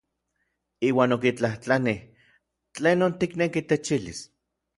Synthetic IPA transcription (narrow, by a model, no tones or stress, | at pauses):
iːwaːnokit͡ɬaht͡ɬanih | t͡ɬeːnont̪iknekit̪et͡ʃilḭs